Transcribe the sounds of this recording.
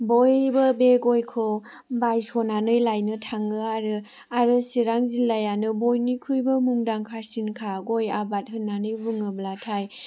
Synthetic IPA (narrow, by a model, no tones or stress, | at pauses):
bojbəbeɡojkʰɯ | bajsɔnanɯjlajnɯtʰaŋɯaɾɯ | aɾɯsiɾaŋzilːajanɯbojnikʰɾujbɯmuŋdaŋkʰasinkʰaɡojabat̚ɦɯnːanɯjvɯŋɯblatʰaj